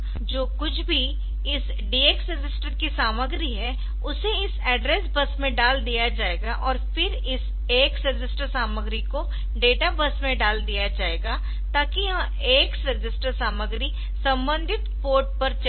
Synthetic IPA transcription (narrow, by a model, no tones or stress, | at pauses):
d͡ʒoːkʊt͡ʃʰbʱi | ɪs | ɖiːeːksɾɪd͡ʒɪsʈəɾkisaːməɡɾiɦɛ | ʊseɪsɛːɖɾesbɐsmẽɖaːld̪ijad͡ʒaːeːɡaʔɔːɾfɪɾ | ɪs | eːksɾɪd͡ʒɪsʈəɾsaːməɡɾiko | ɖeːʈabɐsmẽɖaːld̪ijad͡ʒaːeːɡa | t̪aːkijɐɦã | eːksɾɪd͡ʒɪsʈəɾsaːməɡɾi | sɐ̃mbə̃nd̪ʱɪt̪poːɾʈ̚pɐɾt͡ʃ